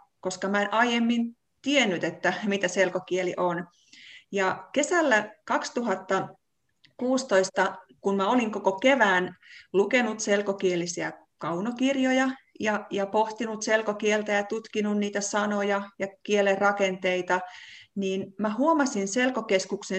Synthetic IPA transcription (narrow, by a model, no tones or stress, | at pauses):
koskɑmæenʔɑijemːin | t̪ienːyt̪et̪ːæmit̪æselkokieliʔon | jɑkesælːækɑkst̪uɦɑt̪ːɑ | kuːst̪oist̪ɑkunmæoliŋkokokeʋæːnlukenut̪selkokielisiæ̰ | kɑunokirjojɑjɑjɑpoht̪inut̪selkokielt̪æjɑt̪ut̪kinunniːt̪æsɑnojɑjɑkielerrɑkent̪eit̪ɑniːnmæhuomɑsinselkokeskukse